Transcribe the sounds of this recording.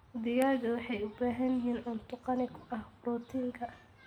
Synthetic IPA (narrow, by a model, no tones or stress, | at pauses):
ðɪɣaːɣɐwɑħɑjʊbaːɦɐnɪɦiːnʔʊːnt̪ʰʊqɑnɪkʰʊ̥ʔɐhbruːt̪ʰiːŋkʰɐ